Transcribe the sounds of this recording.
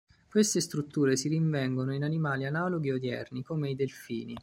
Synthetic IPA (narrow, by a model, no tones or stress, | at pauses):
kwest̪est̪ɾut̪ːuːɾesiɾiɱvɛŋɡonoinanimaːlianaːloɡiod̪jɛ̰rnikoːmeid̪elfḭːni